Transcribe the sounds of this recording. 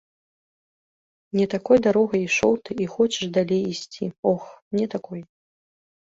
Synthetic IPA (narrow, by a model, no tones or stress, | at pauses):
nʲɛt̪akɔjd̪aɾɔɣɐjiʂɔwt̪ɨixɔt͡ɕɛʂd̪alʲejisʲt͡sʲiɔxnʲɛt̪akɔj